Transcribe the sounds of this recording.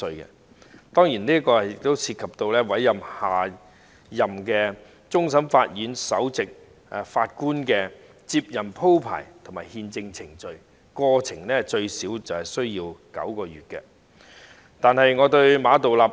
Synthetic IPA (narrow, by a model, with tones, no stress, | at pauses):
sɵ˧ɥkɛ̰˧ | t̪ɔː˥ŋjiː˨˩nliː˥ɐ˥kɔː˧˨jɪ˨k̚t̪o˥wsʰi˧t̚kʰɐ˨p̚t̪o˧wlɛː˥wɐ˨˥jːɐ˨mhaː˨ | jɐ˨˩mkɛː˧ | t͡sʊ˥ŋs̬ɐ˨˥mfaː˧t̚jyː˨˥nsɐ̰˨˥wt͡sɪ˨k̚ː | faː˧t̚kuː˥nkɛː˧ | t͡si˧p̚jɐ˨mpʰo˥wpʰa̰ː˨˩jt̪ʰʊ˨˩maː˨jhiː˧nt͡sɪ˧ŋt͡sʰɪ˨˩ŋt͡ʃɵ˨ɥ | kɔː˧t͡sʰɪ˨˩ŋlɛː˥t͡ʃɵ˧ɥsiː˨˥wt͡sɐ˨whɐ˨˩jsɵ˥ɥjiː˧wkɐ̰˨˥wkɔː˧jyː˨˩t̚kɛ̰˧ | t̪aː˨nhɐ˨jŋɔː˨˧t̪ɵ˧ɥmaː˨˧t̪o˨wlaː˨p̚